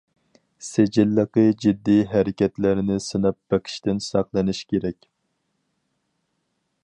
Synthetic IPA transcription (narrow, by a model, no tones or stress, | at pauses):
sed͡ʒɪlːəqəd͡ʒid̪ːiɦæɾɪkʲɛt̪lɪɾɪnɪsɨnɑp̚b̥ɛqʰɪ̥ʃt̪ɪnsɑqlˠɨnɪʃkʲeɾɛkʲ